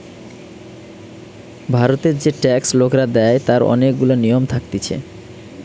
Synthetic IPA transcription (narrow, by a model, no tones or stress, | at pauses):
bʱaɾot̪eɾd͡ʑeʈɛkslokɾad̪ɛet̪aɾɔ̰nek̚ɡulonijomt̪ʰak̚t̪it͡ɕʰḛ